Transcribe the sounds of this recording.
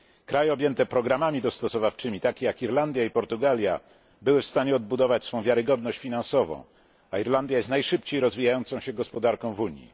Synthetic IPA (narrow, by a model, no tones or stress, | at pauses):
kɾajɛɔbʲjɛnt̪ɛpɾɔɡɾamamʲid̪ɔst̪ɔsɔvaft͡ʂɘmʲit̪akʲejakiɾland̪ʲjaipɔɾt̪uɡalʲja̰ | bɘwɘfst̪aɲɛɔd̪̚bud̪ɔvat͡ɕsfɔ̃w̃vʲjaɾɘɡɔd̪nɔɕt͡ɕfʲinãnsɔvɔ̰̃w̃ | aiɾland̪ʲjajest̪najʂɘpt͡ɕejɾɔzvʲijajɔnt̪sɔ̃w̃ɕɛɡɔspɔd̪aɾkɔ̃w̃vuɲjḭ